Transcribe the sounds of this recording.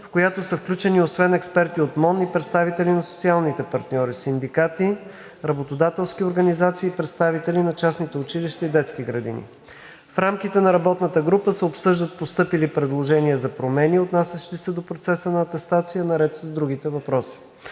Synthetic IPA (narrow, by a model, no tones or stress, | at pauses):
fkojat̪osəfklʲut͡ʃɛniosvɛnɛkspɛɾt̪iot̪mɔnipɾɛt̪st̪avit̪ɛlinɐso̥t̪sialˠnit̪ɛpɐɾt̪nʲɔɾisind̪ikat̪i | ɾɐbot̪od̪at̪ɛlˠskioɾɡənizat̪siːpɾɛt̪st̪avit̪ɛlinɐt͡ʃasnit̪ɛʊt͡ʃiliʃt̪ɐid̪ɛt̪skiɡɾɐd̪ḭnḭ | fɾamk̟it̪ɛnɐɾɐbɔt̪nət̪əɡɾupəsɛopsɤʒd̪ət̪̚post̪ɤpilipɾɛd̪lˠoʒɛniəzɐpɾomɛniot̪nasʲɛʃt̪isɛd̪opɾot̪sɛsənɐːt̪ɛst̪at̪sijənɐɾɛt̪səzd̪ɾuɡ̟it̪ɛvɐpɾɔsi̥